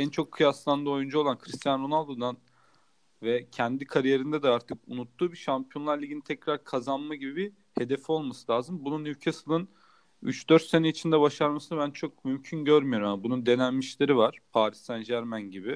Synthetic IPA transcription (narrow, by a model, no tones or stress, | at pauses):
ɛnt͡ʃʰo̞kʰːɯjaslˠand̪ɯojund͡ʒao̞lˠankʰɾist̪ʰjanɾo̞nalˠd̪o̞d̪an | vɛcʰɛnd̪ikʰaɾije̞ɾind̪ɛd̪ɛaɾt̪ʰɯkunut̪ʰːuːbiʃampʰijo̞nlˠaɾlʲiɟinit̪ʰɛcɾaɾkʰazanmaɟibibi | he̞d̪ɛfo̞lˠmasɯ̥lʲaːzɯmbununycʰesɯlˠɯn | yt͡ʃd̪øɾt̪se̞nɛit͡ʃʰind̪ɛβaʃaɾmasɯnabænt͡ʃʰo̞k̚mymcʰynɟøɾmyjo̞ɾumjabunund̪e̞nænmiʃlʲeɾivaɾ̥pʰaːɾisænʒæɾmænɟibɪ